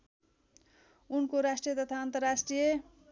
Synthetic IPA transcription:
unkoɾasʈrijʌt̪ʌt̪ʰaʌnt̪ʌrasʈrijʌ

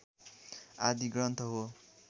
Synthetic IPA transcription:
ad̪iɡɾʌnt̪ʰʌɦo

